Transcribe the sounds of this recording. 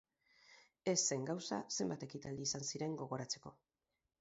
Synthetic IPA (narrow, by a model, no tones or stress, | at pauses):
e̞sːe̞ŋɡawsa̰se̞mbat̪e̞kit̪ald̪iːsansiɾe̞ŋɡo̞ɣo̞ɾat͡seko